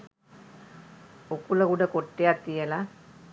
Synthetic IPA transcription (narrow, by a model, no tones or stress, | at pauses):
okulɐɡuɖɐkoʈːejat̪ːijela